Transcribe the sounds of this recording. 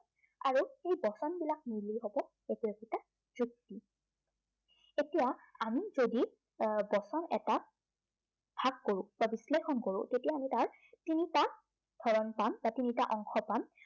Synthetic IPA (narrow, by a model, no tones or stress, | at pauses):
aɹuxejbɔsɔnbilak̚niliɦobɔ | ekiɔkita | duk̚ti | etijaamizodi | bɔsɔnɛ̰ta | bʱaɡkoɹʊ̃b̥abislexʰɔnkoɹʊ̰̃tetijaːmitaɹ | tinita | d̥ʱɔɹɔnpambatinitaʔɔŋxɔpam